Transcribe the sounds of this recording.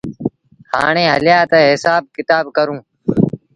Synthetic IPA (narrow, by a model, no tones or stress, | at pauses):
ha̰ːɳẽːɦəljaːt̪əːɦɪsaːb̚kɪt̪aːbkəɾũː